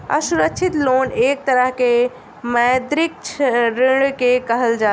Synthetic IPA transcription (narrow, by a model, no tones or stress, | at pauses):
ə̰suɾəkt͡ʃʰit̪loːneːk̚t̪əɾəɦke | majd̪ɾɪk̚t͡ʃʰɾɪɽkekəɦəld͡ʒaː